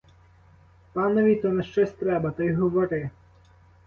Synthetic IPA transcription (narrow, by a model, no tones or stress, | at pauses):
pɑnɔʋʲit̪ɔnɐʃt͡ʃɔsʲt̪ɾɛbɐt̪ɔjɦɔʋɔɾɪ